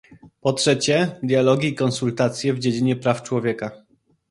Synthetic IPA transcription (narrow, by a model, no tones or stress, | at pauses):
pɔtʂɛt͡ɕɛd̪ʲjalɔɡʲiːkɔnsult̪at̪sʲjɛvd͡ʑed͡ʑiɲɛpɾaft͡ʂwɔvʲjɛka